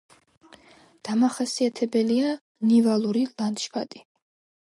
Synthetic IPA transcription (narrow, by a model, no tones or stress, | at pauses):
d̪̥amaχasiat̪ʰɛbɛlia | nivalˠuɾilant̪ʃpʰat̪ʼi